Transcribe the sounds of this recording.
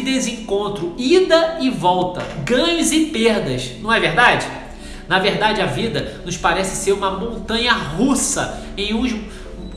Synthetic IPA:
d̪ezẽŋkõnt̪ɾʊid̪ɐɪvɔwt̪ɐ̰ɡɐ̃ɲʊzɪpeɾd̪ɐʃnɐ̃w̃ɛveɾd̪ad͡ʒɪ | nɐveɾd̪ad͡ʒɪɐvid̪ɐnʊspaɾɛsɪ̥seɾũmɐmõnt̪ɐ̃ɲɐɦusɐ | ẽj̃ũz

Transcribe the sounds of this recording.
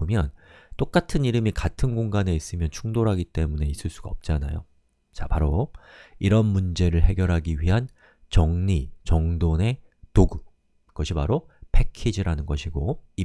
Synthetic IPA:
mjʌnt͈ok͈atʰɯniɾɯmikatʰɯnɡoŋɡane̞is͈ɯmjʌnt͡ɕʰuŋdoɾɦaɡit͈e̞mune̞is͈ɯɭs͈uɡaʌp̚t͡ɕ͈ana̰jo̰ | t͡ɕapaɾo | iɾʌnmund͡ʑe̞ɾɯɭɦe̞ɡjʌɾɦaɡiɥiɦan | t͡ɕʌŋɲit͡ɕʌŋdone̞ | toɡu | kʌɕʰibaɾo | pʰe̞kʰːid͡ʑiɾanɯnɡʌɕʰiɡoi

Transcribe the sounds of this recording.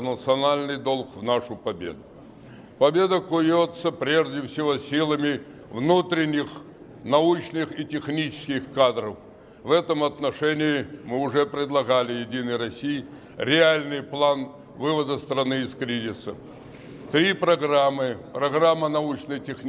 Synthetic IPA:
nət̪sɨɐnalʲnɨjd̪o̞lˠkvnaʂʊpɐbʲe̞̰d̪ʊ | pɐbʲe̞d̪əkʊjot̪səpɾʲe̞ʐdʲɪfsʲɪvosʲilˠəmʲɪ | vnut̪ɾʲɪnʲːɪx | nɐut͡ɕnɨxitʲɪxnʲit͡ʃɪ̥skʲɪxkad̪ɾəf | vɛt̪əmɐt̪nɐʂɛnʲɪɪmɨʊʐɛpɾʲɪd̪lˠɐɣalʲɪjɪdʲinəjrɐsʲijɪ | ɾʲɪalʲnɨjplˠan | vɨvəd̪əst̪ɾɐnɨɪskɾʲizʲɪsə | t̪ɾʲipɾɐɡramːɨpɾɐɡɾamːənɐut͡ɕnəjtʲɪxnʲ

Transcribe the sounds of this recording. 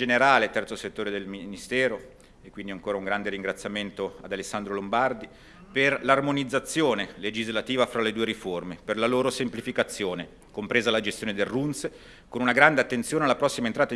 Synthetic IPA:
d͡ʒeneɾaːlet̪ɛrt̪soset̪ːoːɾed̪elminist̪ɛːɾo | ekːwind̪iaŋkoːɾauŋɡɾand̪eɾiŋɡɾat̪sːjament̪oad̪alesːand̪ɾolombard̪i | perlarmonid̪zːat̪sːjoːneled͡ʒizlat̪iːvafɾaled̪uːeɾiformeperlaloːɾosemplifikat̪sːjoːne | kompɾeːzalad͡ʒest̪joːned̪erːuns | konunaɡɾand̪eat̪ːent̪sjoːnealːapɾɔsːimaent̪ɾaːt̪a

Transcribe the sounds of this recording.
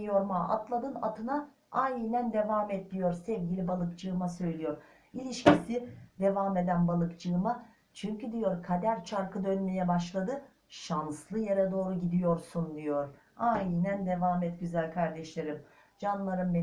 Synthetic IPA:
jo̞ɾmaʔa̰t̪ʰlˠad̪ɯna̰t̪ʰɯna | ajinænd̪e̞vaːmɛt̪lʲijo̞ɾsɛvɟilʲibalˠɯkt͡ʃɯːmasø̞jlʲijo̞ɾ | ilʲiʃcʰisid̪e̞vaːme̞d̪ænbalˠɯkt͡ʃɯːma | t͡ʃʰyɲcyd̪ijo̞ɾkʰad̪æɾt͡ʃʰaɾkɯd̪ø̞nme̞jɛbaʃlˠad̪ɯ | ʃanslˠɯjeɾɛd̪o̞ːɾuɟid̪ijo̞ɾsund̪ijoɾ | ajinænd̪e̞vaːmɛt̪ɟyzælʲkʰaɾd̪ɛʃlʲe̞ɾim | d͡ʒanlˠaɾɯnbe

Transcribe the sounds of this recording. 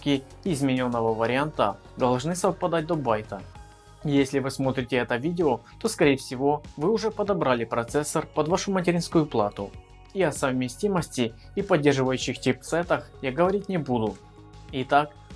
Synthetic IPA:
kʲɪː | zmʲɪnʲo̞nːəvəvəɾʲɪant̪ə̰ | d̪ɐlˠʐnɨsəfpɐd̪at̚ʲd̪obajt̪ə | jesʲlʲɪvɨsmo̞t̪ɾʲɪtʲɪɛt̪əvʲidʲɪot̪o̞skɐɾʲejɪfsʲɪvo̞vɨʊʐɛpɐd̪ɐbɾalʲɪpɾɐt̪sɛsːərpɐd̪vaʂʊmətʲɪɾʲinskʊjʊplˠat̪ʊ̰ | iɐsəvmʲɪsʲtʲiməsʲtʲɪː | pɐdʲːerʐɨvəjʉɕːɪxtʲipsɛt̪əxjaɡəvɐɾʲit̚ʲnʲɪbud̪ʊ | ɪt̪ak

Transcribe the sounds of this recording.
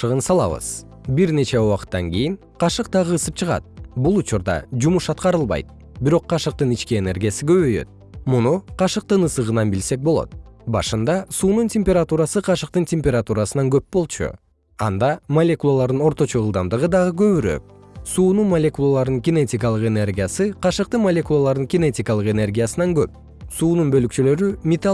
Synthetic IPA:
ʃɯʁɯnsɑlˠɑ̰βɯ̰z̥ | biɾne̞t͡ʃeuwɑqə̥t̪ːɑŋɡʲejin | qʰɑʃɯq̚d̪ɑʁɯːsɯp̚t͡ʃʰɨʁɑ̰t̪̚bulˠut͡ʃuɾd̪ɑ̰d͡ʒumuʃɑt̪̚qɑɾɯlˠβɑ̰jt̪̚ | biɾo̞qʰːɑʃɯq̚t̪ɯnit͡ʃkie̞ne̞ɾɡʲijasiɡø̞βø̞jø̞̰t̪̚ | munuqʰɑʃɯq̚t̪ɯnɯsɯʁɯnɑnbilse̞k̚bo̞lˠo̞̰t̪̚bɑ̰ʃɯnd̪ɑsuːnuntʲemʲpʲe̞ɾat̪uɾɑsɯqʰɑʃɯqt̪ɯntʲʰemʲpʲe̞ɾat̪uɾɑsɯnɑŋɡø̞pbo̞lˠt͡ʃṵ | ɑ̰nd̪ɑmolʲe̞kulˠalˠɑɾd̪ɯno̞ɾt̪o̞t͡ʃoɯlˠd̪ɑmd̪ɯʁɯd̪ɑʁɯɡø̞βyɾø̰ːk̚ | suːnumɐlʲe̞kulˠalˠɑɾd̪ɯŋɡʲine̞tʲikɑlˠɯqe̞ne̞rɡʲijasɯqʰɑʃɯq̚t̪ɯmolʲe̞kulˠalˠɑɾd̪ɯŋɡʲine̞tʲikɑlˠɯqe̞ne̞rɡʲijasɯnɑŋɡøp̚ | suːnunbø̞lykt͡ʃylø̞ɾymʲɪt̪a

